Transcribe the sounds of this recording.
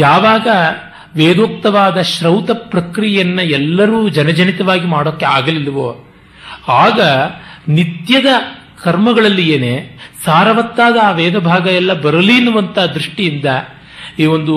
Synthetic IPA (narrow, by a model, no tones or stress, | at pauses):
jaːʋaːɡɐ | ʋeːd̪oːk̚t̪ɐʋaːd̪ɐʃɾɐwt̪ɐpɾɐkɾijjɐnːɐɛlːɐɾuːd͡ʒɐnɐd͡ʒɐnit̪ɐʋaːɡimaːɽoːkːeaːɡɐlilːɐʋoː | aːɡɐnit̪jɐd̪ɐ | kɐɾmɐɡɐɭɐlːijeːneːsaːɾɐʋɐt̪ːaːd̪ɐːʋɛːd̪ɐbʱaːɡɐɛlːɐbɐɾɐlinːuʋɐnt̪ɐaɦɐd̪ɾuʂʈijind̪ɐ | iːʋo̞nd̪u